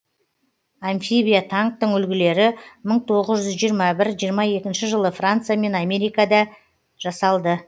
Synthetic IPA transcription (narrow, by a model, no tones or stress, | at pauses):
anfibijat̪ʰaŋk̚t̪əɴʏlɡʲɪle̞ɾɪməɴt̪ʰo̞ʁəzʒʏzʒijəɾmɑbɪɾʒijəɾmɑje̞kʲɪnʃɪʒəlˠəfrant̪sɨjame̞nɑme̞ɾijkɑd̪ɑ | ʒ̥ɑsɑlˠd̪ə